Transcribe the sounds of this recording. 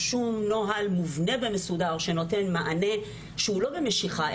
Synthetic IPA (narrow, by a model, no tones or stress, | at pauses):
ʃumnoɦalmuvne̞be̞mesudaʁʃe̞no̞te̞nmaʔane̞ | ʃeulo̞be̞meʃiχa